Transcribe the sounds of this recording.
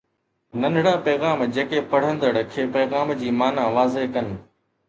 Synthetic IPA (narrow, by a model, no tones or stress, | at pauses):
nɐ̃ndʱɽãpɛːɣaːmd͡ʑeːkepɐɽ̤ə̃nd̪əɽəkʰeːpɛːɣaːmd͡ʑiːmaːnãʋaːzeɦkɐnɪ̆